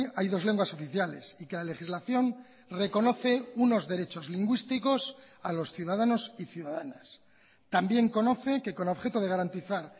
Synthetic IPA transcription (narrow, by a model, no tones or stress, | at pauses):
ajðozle̞ŋɡwaso̞fiθjale̞̰sike̞lale̞xizlaθjo̞n | re̞ko̞no̞θe̞uno̞zðe̞ɾe̞t͡ʃo̞zliŋɡwist̪iko̞s | alo̞sθjuðaðano̞siθjuðaðanas | t̪ambje̞ŋko̞no̞θe̞ke̞ko̞no̞βxe̞t̪oðeaɾant̪iθaɾ